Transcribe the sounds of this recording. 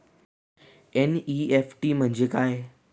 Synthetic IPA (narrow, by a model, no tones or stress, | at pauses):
eniːefʈimə̃ɦɪ̃ɲd͡ʑekaːɦe